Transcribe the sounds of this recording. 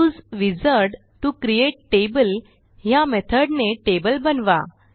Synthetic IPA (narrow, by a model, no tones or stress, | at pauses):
ud͡zʋid͡zəɾɖ | t̪ũkɾijeʈʈebəl | jamɛt̪ʰəɾɖneʈebəlbənʋa